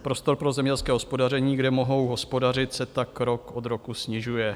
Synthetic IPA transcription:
pɾo̞st̪o̞ɾpɾo̞zɛmɲɛɛlskɛːɦospodar̝ɛɲiːɡdɛmo̞ɦo̞wɦo̞spo̞dar̝ɪt̪sɛt̪akɾo̞ko̞d̪ɾo̞kusɲɪʒujɛ

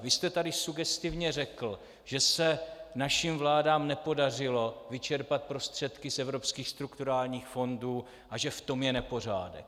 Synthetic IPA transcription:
vɪst̪ɛt̪adɪsuɡɛst̪ɪvɲɛrɛkl̩ | ʒ̥ɛsɛnaʃimvlaːdaːmnɛpo̞dar̝ɪlo̞vɪt͡ʃɛɾpat̪̚pɾo̞st̪r̝̥ɛt̪kɪsɛvɾo̞pskiːxst̪ɾukt̪uɾaːlɲiːxfo̞nduː | ʔaʒɛft̪o̞mjɛnɛpo̞r̝a̰ːdɛ̰k

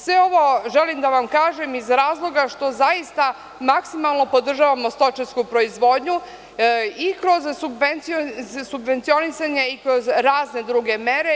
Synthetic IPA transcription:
sʋeo̞ʋo̞ʒelimd̪aʋamkaːʒe̞mizɾaːzlˠo̞ɡaʃt̪o̞zaist̪a | maksimalˠno̞po̞d̪r̩ʒaʋamost̪o̞t͡ʃeskupɾo̞izʋoːd̪ɲu | ikɾo̞zsubent̪siosubʋe̞nt̪sio̞nisaɲe̞ikɾo̞zɾaːzne̞d̪ɾuɡe̞meɾe

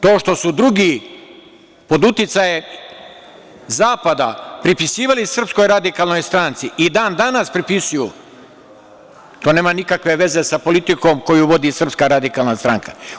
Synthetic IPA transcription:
t̪o̞ːʃt̪o̞sud̪ɾuɡiː | po̞d̪ut̪it̪saje | zaːpad̪apɾipisiːʋalisr̩psko̞jɾad̪ikaːlˠno̞jst̪ɾant̪siid̪aːnd̪anaspɾipisuju | t̪oːne̞ːmanikakʋe̞ʋe̞ze̞sapo̞lit̪iko̞mko̞juʋo̞d̪isr̩pskaɾad̪ikaːlˠnast̪ɾaŋka̰

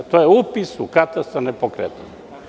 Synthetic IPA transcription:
t̪ojeupisukat̪ast̪anepokɾḛt̪u

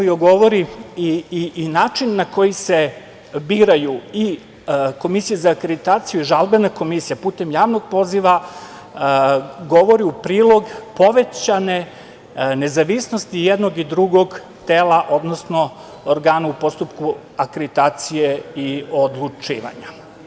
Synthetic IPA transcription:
ioɡo̞ʋoɾiinaːt͡ʂinːako̞jise̞ | biːɾajui | ko̞misijezaːkɾed̪it̪aːt̪sijuiʒalˠbenako̞misijapuːt̪e̞mjaːʋno̞ɡ̚po̞ziʋa | ɡo̞ʋo̞ɾiupɾiːlˠo̞ɡpo̞ʋe̞t͡ɕane̞ | nezaʋisno̞st̪ijed̪no̞ɡid̪ɾuɡo̞ɡ | t̪eːlˠaʔo̞d̪nosno̞ | oɾɡaːnaupo̞st̪upku | akɾed̪it̪aːt̪sijeiod̪lˠut͡ʂḭːʋa̰ɲa

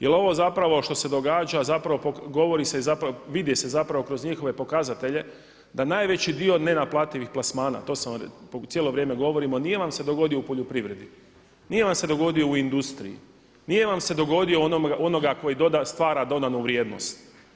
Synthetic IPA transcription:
jelo̞ʋo̞zapɾaʋo̞ʃt̪o̞se̞d̪o̞ɡaːd͡ʒazapɾaʋo̞pokɡo̞ʋo̞ɾiseizapɾʋid̪jese̞zapɾaʋo̞kɾo̞zɲixo̞ʋe̞po̞kazat̪e̞ʎe̞ | d̪anaːjʋe̞t͡ɕid̪io̞ne̞naplˠaːt̪iʋixplasmaːna̰t̪o̞ːsampt̪jeːlo̞ʋɾjemeɡo̞ʋo̞ɾimo̞nije̞ʋamse̞d̪o̞ɡo̞d̪ijo̞upo̞ʎopɾiʋɾe̞d̪i | nije̞ʋamse̞d̪o̞ɡo̞d̪io̞uind̪ust̪ɾḭjḭ | nije̞ʋamse̞d̪o̞ɡo̞d̪ioonoɡaʔono̞ɡako̞jid̪od̪ast̪ʋaːɾad̪o̞d̪anuʋɾje̞ːd̪no̰st̪

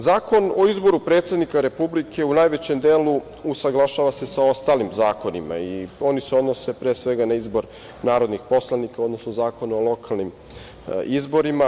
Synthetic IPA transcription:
zaːko̞no̞izbo̞ɾupɾet̪sʲed̪nikaɾe̞publikʰe̞unaːjʋe̞t͡ɕe̞md̪eːlu | usaɡlˠaʃaːʋase̞sao̞st̪aːlimzaːko̞nima̰io̞niseo̞d̪no̞se̞pɾeːsʋe̞ɡanaizbo̞ɾ | naːɾo̞d̪nixpo̞slˠanikao̞d̪no̞snozaːko̞nuolˠo̞kʰalˠnim | izbo̞ɾima

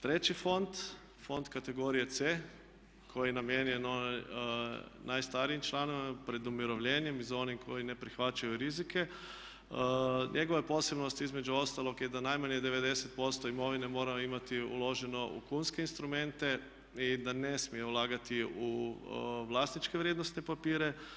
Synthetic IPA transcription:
t̪ɾet͡ʃifont̪ | fo̞nt̪kat̪eɡoːɾijet̪se | kʰojinamjenjɛnon | najst̪aɾiimt͡ʃlaːnoʋiapɾed̪umiɾoʋʎʲeːnjemizaonimkʰojinepɾixʋat͡ʃajuɾizike | ɲʔeɡoʋajeposɛbnost̪izmɛd͡ʒuost̪alokjɛd̪anajmanjɛd̪ɛʋed̪ɛsɛt̪̚post̪ɔimoʋinɛmoːɾaimat̪iṵloːʒɛnoʔṵkunskeinst̪ɾumɛ̃nt̪ɛ | id̪anɛsmijɛulaːɡat̪iu | ʋlast̪nit͡ʃkɛʋɾjeːd̪nost̪nɛpapiːɾɛ

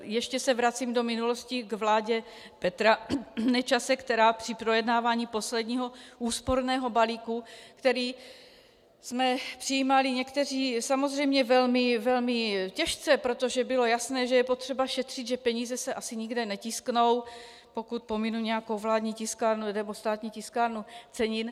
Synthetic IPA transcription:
jɛʃcɛsɛvɾat͡siːmdo̞mɪnulo̞sciɡvlaːɟɛ | pɛt̪ɾanɛt͡ʃasɛkt̪ɛɾaːpr̥ɪpɾojɛdnaːvaːɲiːpo̞slɛd̪ɲiːɦo̞ʔuːspoɾnɛːɦo̞baliːkukt̪ɛɾiː | smɛpr̥ijiːmalɪɲɛkt̪ɛr̝iːsamozr̝ɛjmɲɛvɛlmɪvɛlmɪcɛʃt͡sɛpɾot̪o̞ʒɛbɪlo̞jasnɛːʒɛjɛpot̪r̝̥ɛbaʃɛt̪r̥ɪd̪ʒɛpɛɲiːzɛsɛʔasɪɲiɡdɛnɛcɪskno̞w | po̞kut̪̚po̞minuɲɛjakowvlaːd̪ɲiːcɪskaːɾnunɛbost̪aːt̪ɲiːcɪskaːɾnut͡sɛɲɪn

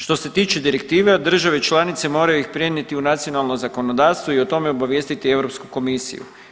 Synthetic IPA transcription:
ʃt̪o̞se̞t̪iːt͡ʃe̞d̪iɾek̚t̪iːʋed̪r̩ʒaʋe̞t͡ʃlˠanit̪se̞mo̞ːɾajuixpɾjenjet̪iunat̪sio̞nalˠnozako̞nod̪aːɾst̪ʋoio̞t̪o̞me̞obaʋje̞ːst̪it̪ie̞wɾo̞pskuko̞misḭjṵ

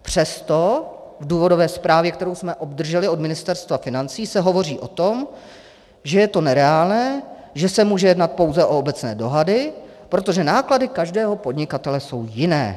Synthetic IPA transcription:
pr̝̥ɛst̪o̞ | vduːvo̞dovɛːspɾaːvjɛk̚t̪ɛɾo̞wsmɛʔo̞bd̪r̩ʒɛlɪo̞dmɪnɪst̪ɛɾst̪vafɪnant͡siːsɛɦo̞vo̞riːʔot̪o̞m | ʒɛjɛt̪o̞nɛɾɛaːlnɛː | ʒɛsɛmuːʒɛjɛdnat̪̚po̞wzɛʔo̞obɛt͡snɛ̰ːdo̞ɦadɪ | pɾo̞t̪o̞ʒɛnaːkladɪkaʒdɛːɦo̞po̞dɲɪkat̪ɛlɛso̞wjɪnɛ̰ː

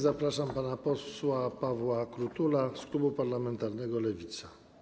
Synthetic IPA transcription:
zapɾaʂampanapɔswapavwakɾut̪ulasklubupaɾlamɛnt̪aɾnɛɡɔlɛvʲit̪sḁ

